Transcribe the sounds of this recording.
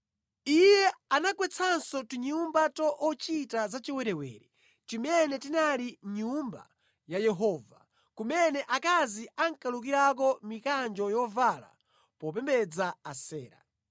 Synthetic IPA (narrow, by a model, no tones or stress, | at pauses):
ijɛanakwɛt͡sʰansɔtiɲumbatɔʔːt͡ʃitazat͡ʃiwɛɾɛwɛ̰ːɾɛ | t͡ʃimɛnɛtinaliɲumba̰ | jajɛɦɔːva̰ | kumɛnɛʔakaziaŋkaluk̬iɾak̬ɔmikand͡ʒɔjɔvala̰ | pɔp̬ɛmbɛd͡zaasɛːɾa̰